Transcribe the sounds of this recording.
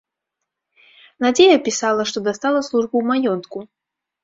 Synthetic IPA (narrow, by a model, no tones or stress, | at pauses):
nad͡zʲejɐpʲisalˠɐʂt̪ɔd̪ast̪alˠɐslˠuʐbuwmajɔnt̪ku